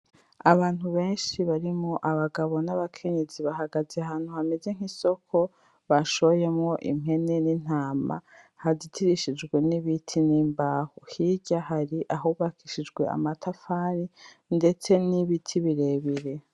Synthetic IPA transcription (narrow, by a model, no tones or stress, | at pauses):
aβaːn̥huβe̞ːnʃiβaɾimoʔaβaɡaβo̞naβakʰe̞ɲe̞ziβaɦaɡazeaɦaːn̥huhameze̞ŋ̥iso̞kʰo̞ | βaʃooje̞mŋo̞ʔḭm̥ɦe̞ne̞nin̥aːma̰ | hazitʰiɾiʃid͡ʒɡwe̞niβitʰiniːmbaːhohiɟahaɾiʔaɦuβakʰiʃid͡ʒɡwe̞̰a̰matʰafaːɾi | nde̞t͡se̞niβitʰiβiɾe̞ːβiɾe̞